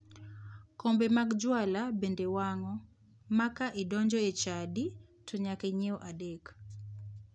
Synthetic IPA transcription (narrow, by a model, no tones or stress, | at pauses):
kɔmbemaɡd͡ʒwalabendewaŋɔ | makaʔidɔɲd͡ʒɔet͡ʃaditʰoɲakeɲeɔʔadek